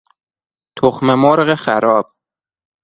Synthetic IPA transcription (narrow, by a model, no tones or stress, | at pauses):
t̪ʰoxmemoɾɢexæɾɒːb̥̚